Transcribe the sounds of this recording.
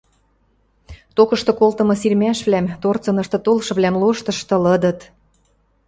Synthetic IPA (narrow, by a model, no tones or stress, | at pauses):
t̪okɤ̆ʃt̪ɤ̆kolt̪ɤ̆mɤ̆sirmæʃβlæmt̪ort͡sɤ̆nɤ̆ʃt̪ɤ̆t̪olʃɤ̆βlæmloʃt̪ɤ̆ʃt̪ɤ̆lɤ̆d̪ɤ̆t̪